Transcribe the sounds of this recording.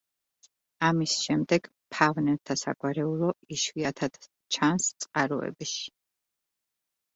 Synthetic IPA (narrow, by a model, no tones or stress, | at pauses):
amisʃɛmd̪ɛɡ̥ | pʰavnɛɾt̪ʰasa̰ɡʼwaɾɛulˠɔiʃviat̪ʰad̪̥ | t͡ʃʰanst̪sʼqʼaɾɔ̰ɛ̰biʃi̥